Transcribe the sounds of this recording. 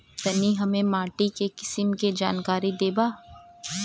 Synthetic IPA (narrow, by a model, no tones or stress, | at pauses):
t̪ɐniɦɐmẽmaːʈikekɪ̥sɪmked͡ʒa̰ːnkaːɾid̪eːbaː